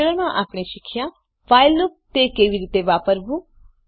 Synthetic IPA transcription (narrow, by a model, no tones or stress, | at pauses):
eɭəɾmãʔaːpɽ̃eʃikʰjã | ʋajlːut̪ekeːʋiɾiːt̪eʋaːpəɾbũ